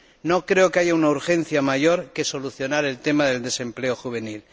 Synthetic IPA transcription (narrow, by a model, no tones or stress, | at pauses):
no̞kɾe̞okeaʝaunauɾxẽ̞nθjamaʝo̞ɾke̞so̞luθjo̞naɾe̞lt̪e̞maðe̞ld̪e̞se̞mple̞oxuβ̞e̞nil